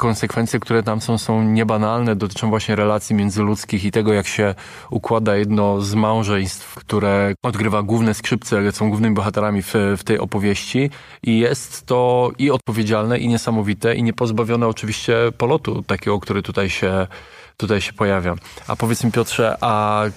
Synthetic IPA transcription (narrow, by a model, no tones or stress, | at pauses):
kɔ̃nsɛkfɛnt̪sʲjɛkt̪uɾɛt̪amsɔ̃w̃sɔ̃w̃ɲɛbanalnɛd̪ɔt̪ɘ̥t͡ʂɔ̃w̃vwaɕɲɛɾɛlat̪sʲjimʲjɛndzɘlut̪skʲixit̪ɛɡɔjakɕɛ | ukwad̪ajɛd̪nɔzmaw̃ʐɛj̃st̪fkt̪uɾɛɔd̪ɡɾɘvaɡwuvnɛskʂɘp̚t̪sɛsɔ̃w̃ɡwuvnɘmʲibɔxat̪ɛɾamʲifft̪ɛjɔ̰pɔvʲjeɕt͡ɕi | ijɛst̪ːɔiɔt̪̚pɔvʲjed͡ʑalnɛʔiɲɛsamɔvʲit̪ɛʔḭɲɛpɔzbavʲjɔnɛɔt͡ʂɘvʲiɕt͡ɕɛpɔlɔt̪ṵt̪akʲɛɡɔkt̪uɾɛt̪ut̪ajɕɛ | t̪ut̪ajɕɛ̥pɔjavʲjaa̰pɔvʲjɛt̪smʲipʲjɔtʂɛʔa